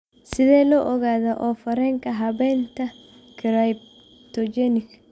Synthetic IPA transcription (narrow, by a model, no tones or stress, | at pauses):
sɪðɛːlɔʔɔɣaːðaʔɔfɐɾɛŋkɐɦɐβɛnt̪ɐ | kʰɪɾajb̚ | t̪ɔd͡ʒɛnɪk